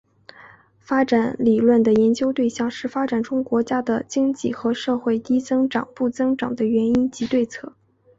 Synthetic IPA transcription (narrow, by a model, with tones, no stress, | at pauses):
fa˥ʈ͡ʂa˨˩˥nli˨˩lwə˥˩nd̪ə˩jɛ˧˥nt͡ɕjo˥ʊt̪we˥˧ɪɕjɑ˥˩ŋʂɻ̩˥˩fa˥ʈ͡ʂa˨˩nʈ͡ʂʊ˥ŋkwɔ˧˥t͡ɕja˥d̪ə˨t͡ɕi˥ŋt͡ɕi˥˩xɤ˧˥ʂɤ˥˧xwe˥˩ɪt̪i˥t͡sɤ˥ŋʈ͡ʂɑ˨˩ŋpu˥˩t͡sɤ˥ŋʈ͡ʂɑ̰˨˩ŋd̪ə˦ɥɛ˧˥ni˥nt͡ɕi˧˥t̪we˥˧ɪt͡sʰɤ˥˩